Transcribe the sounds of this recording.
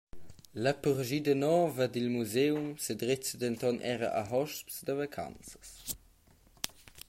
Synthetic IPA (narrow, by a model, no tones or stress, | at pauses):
ləpuʁʒid̪ənɔːvəd̪ilmuzewmsed̪ʁet͡səd̪ənt̪ɔnʔɛ̰ɾɐ̰ʔa̰ɦɔʃpsd̪əvakʰa̰nt͡sə̥s